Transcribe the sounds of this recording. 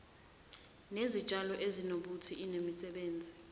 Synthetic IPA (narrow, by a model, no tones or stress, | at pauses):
nezit͡ʃʼalɔʔezinoɓutʰiʔinemisɛɓeːnd͡zʱi